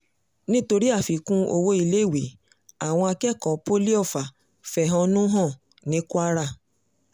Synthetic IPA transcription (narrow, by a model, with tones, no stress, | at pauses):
nĩ˦to˧ɾi˦a˦˨fi˨kũ˦o̰˧wo˧˦i˧le˦˨we˨˦ | a˨w̃ɔ̃˧a˧kɛ˦˨kɔ˨po˦li˦ɔ˦˨fa˨ | fɛ˨ɦɔ̃˧nũ˦ɦɔ̃˦˨ | nĩ˨˦kʷa˦ɾa˦˨